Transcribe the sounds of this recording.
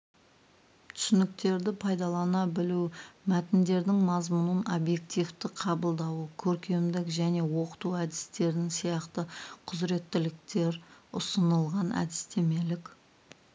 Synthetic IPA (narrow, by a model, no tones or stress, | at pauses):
t̪ʰʏ̥sɪnɪk̚t̪e̞ɾd̪ɪpʰɑjd̪ɑlˠɑnɑbɪlumæt̪ɪnd̪e̞ɾd̪ɪŋmɑzmʊnənobje̞kt̪ijft̪ɪqʰɑbəlˠd̪ɑwəkʲʰɵɾkʲe̞md̪ɪkʒæne̞wo̞qə̥t̪uæd̪ɪst̪e̞ɾɪnɪŋsijɑqt̪əqʰʊzɾe̞t̪ːɪlɪk̚t̪e̞ɾʊ̰sənəlˠʁɑnæ̰d̪ɪst̪e̞me̞lɪkʲ